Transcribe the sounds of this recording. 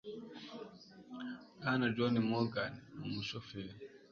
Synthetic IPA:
anad͡ʒɔnimɔlɡanmuʃɔfɛɾ

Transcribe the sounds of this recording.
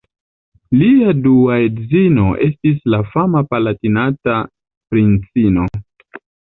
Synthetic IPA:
liaduaedzino̞ʔe̞stislafamapalatinata | pɾint͡sino̞

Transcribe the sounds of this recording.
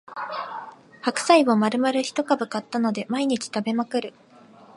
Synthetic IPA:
hakɯ̟̥saimomaɾɯ̟maɾɯ̟çi̥t̪o̞kabɯ̟kat̪ːano̞d̪e̞maiɲ̟it͡ɕi̥t̪abe̞makɯ̟ɾɯ̟

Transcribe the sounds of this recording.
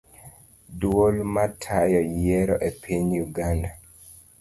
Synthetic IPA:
dwolmatʰajɔjɛɾɔʔepʰiɲjuɡanda

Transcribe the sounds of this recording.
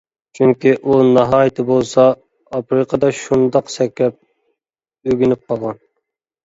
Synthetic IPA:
t͡ʃʰyŋkʲiʔunɑɦɑːjt̪ʰɪbolˠsɑ | ɑpɾɨqʰɑd̪ɑʃund̪ɑqsɛkʲlɛp̚ | øɡʲynyp̚qʰɑlˠʁɑn

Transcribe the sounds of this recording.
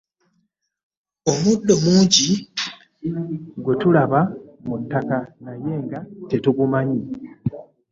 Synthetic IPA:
omudːo̞muːɲɟi | ɡwetulaβamutːakanaje̞ːŋɡate̞tuɡumaɲi

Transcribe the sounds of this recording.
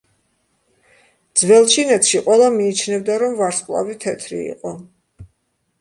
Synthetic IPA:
d̪z̥vɛlˠt͡ʃʰinɛt̪ʰʃiqʼwɛlˠamiːt͡ʃʰnɛvd̪aɾɔmvaɾsqʼlˠa̰vit̪ʰɛt̪ʰɾḭḭqʼɔ

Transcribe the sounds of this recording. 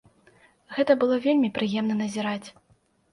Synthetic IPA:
ɣɛt̪ɐbɨlˠɔvʲelʲmʲipɾɨjɛmn̪ɐnɐzʲiɾat͡sʲ

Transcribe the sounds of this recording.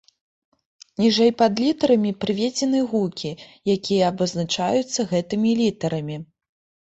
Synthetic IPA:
nʲiʐɛjpɐd̪lʲit̪ɐɾɐmʲipɾɨvʲed͡zʲɛnɨɣukʲijakʲijɐːbɐznat͡ʂajut̪sːɐɣɛt̪ɨmʲilʲit̪ɐɾɐmʲi

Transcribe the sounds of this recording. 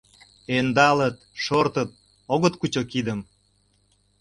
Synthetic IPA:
end̪ɑlət̪ʃort̪ət̪̚ | oɣət̪kut͡ɕokid̪əm

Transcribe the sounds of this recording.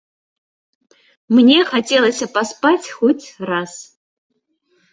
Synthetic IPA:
mnʲɛxat͡sʲelˠɐsʲɐpaspat͡sʲxɔt͡sʲras

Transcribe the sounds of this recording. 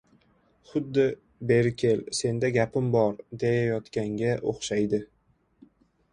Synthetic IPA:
χʊd̪ːɪ | be̞ɾkʲʰe̞lse̞nd̪aɡʲapɪmbɒɾd̪ejajɒt̪kʲaŋɡʲaʔo̰χʃajd̪ɪ

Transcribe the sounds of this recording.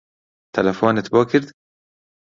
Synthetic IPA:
t̪ʰɐlɐfoːnɪt̪bɔːkʰɪɾd̪

